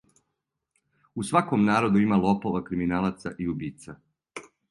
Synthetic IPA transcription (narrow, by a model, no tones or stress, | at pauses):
usʋako̞mnaːɾo̞d̪uimalˠopoʋakɾiminaːlat̪sa̰ʔiubiːt̪sa